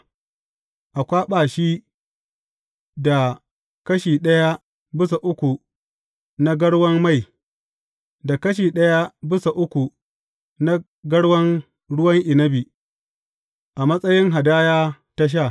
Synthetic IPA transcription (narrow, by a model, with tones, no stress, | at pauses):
ʔa˨kʷaː˦ɓaː˨ʃi˦ | da˨ | kɐ˦ʃiː˨ɗɐ˦ja˦ | bɪ˦sa˨ʔʊ˦kʷu˨ | na˦ɡɐ˦ɽwɐ˦mma˦˨j | da˨kɐ˦ʃ̬iː˨ɗɐ˦ja˦bɪ˦sa˨ʔʊ˦kʷu˨ | na˦ | ɡɐ˦ɽwɐ˦ŋ | ɽʊ˦wɐ˦ŋʔɪ˨nɐ˦bi˨ | ʔa˨mɐ˦sʼɐ˦jɪ˦ŋɦa˨daː˦jaː˦ | ta˦ʃ̬aː˦˨